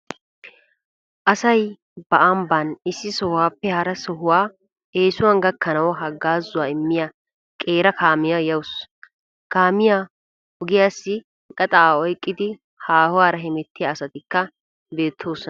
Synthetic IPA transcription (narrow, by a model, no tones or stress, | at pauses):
ʔɐsɐj | bɐʔɐmbɐnɪsːɪsɔhʊwaːpːɛhɐɾɐsɔɦʊwaː | ʔeːsʊwɐnɡɐkːɐnɐwɦɐɡːaːzːʊwaːɪmːɪja | kʼe̞ːɾɐkʰaːmɪjɐjɐwʊs | kaːmɪja | hɔɡɪjaːsːɪ | kʼɐt̪ʼɐaːɔjkʼːɪd̪ɪ | haːhʊwaːɾɐɦɛmɛt̪ːɪjaːsɐt̪ɪkːɐ | be̞ːt̪ʰːo̞ːsɔ